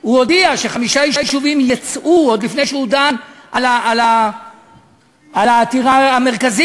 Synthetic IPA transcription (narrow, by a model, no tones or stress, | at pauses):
huodiaʃeχamiʃajiʃjiʃuvimjat͡sʔuod̪lifne̞jʃeudanʔalaʔala | alaːt̪iʁaameʁkazi